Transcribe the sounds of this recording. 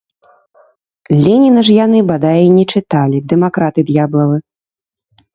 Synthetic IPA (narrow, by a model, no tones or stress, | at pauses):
lʲɛnʲinɐʐjanɨbad̪ajinʲɛt͡ʂɨt̪alʲid̪ɛmakɾat̪ɨd̪jablˠɐvɨ